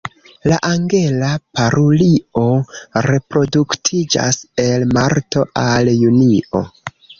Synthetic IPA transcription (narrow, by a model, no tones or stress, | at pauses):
laʔaŋɡe̞lapaɾʔulio̞ɾe̞pɾo̞duktʰid͡ʒa̰se̞lmaɾto̞ʔaljunio̞̰